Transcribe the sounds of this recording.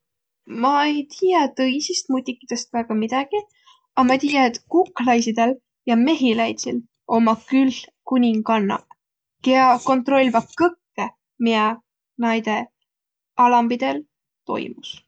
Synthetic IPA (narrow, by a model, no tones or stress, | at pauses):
mɑejt̪iːjɑt̪ɤjsist̪̚mut̪ʲːikːˑid̪̥e̞st̪væːɡ̥ɑmid̪̥ɑɡ̥i | ɑmɑt̪ʲiːjɑet̪kukːˑlɑjsid̪̥e̞l | jɑme̞ɦilɑjt̪sil | o̞mɑkylːkunʲiŋɡɑnːɑ̰ | keɑko̞nt̪ro̞lʲvɑkɤkːe | miɑ | nɑjd̪e̞ | ɑlɑmbid̪̥e̞l | t̪o̞̰jmus